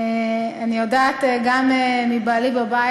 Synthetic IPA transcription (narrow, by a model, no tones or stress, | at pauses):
anijodaːt̪eɡamemibalibaba